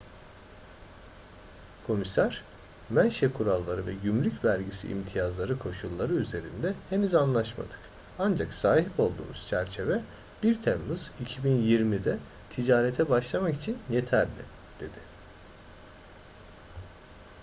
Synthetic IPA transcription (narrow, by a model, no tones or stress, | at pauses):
kʰo̞misæɾ̥ | mænʃɛkʰuɾalˠːaɾɯvɛɟymlʲycvæɾɟisḭʔːmt̪ʰijazlˠaɾɯkʰo̞ʃulˠːaɾɯyze̞ɾind̪ɛhe̞nyzanlˠaʃma̰d̪ɯ̥k | and͡ʒaksaːhipo̞lˠd̪ṵːmuz̥t͡ʃʰæɾt͡ʃʰe̞vɛ | b̥iɾt̪ʰemmɯz̥icʰibinjiɾmid̪ɛ | t̪ʰid͡ʒaːɾet̪ʰɛbaʃlˠamaki̥t͡ʃʰinje̞t̪ʰæɾlʲɪ̰ | d̪̥e̞d̪̥ɪ